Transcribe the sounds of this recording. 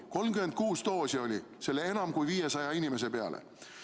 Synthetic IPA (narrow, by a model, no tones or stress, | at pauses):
ko̞lmkyme̞nd̪̥̚kuːst̪o̞ːsio̞lʲi | se̞lːee̞nɑmkujviːje̞sɑjɑinime̞s̬e̞pe̞ɑ̰lʔḛ